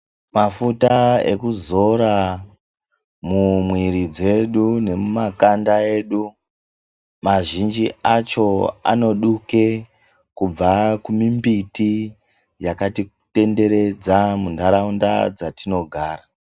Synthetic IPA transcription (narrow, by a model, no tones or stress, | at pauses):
mafutaḛkuzo̞ɾa | mumwiɾid͡ze̞ɗune̞mumakandae̞ːɗu | maʒind͡ʒiat͡ʃo̞a̰no̞ɗuke̞ | kub͡vakumimbiti | jakatikte̞nde̞ɾe̞d͡zamundaɾaunda̰d͡zatino̞ɡʱaːra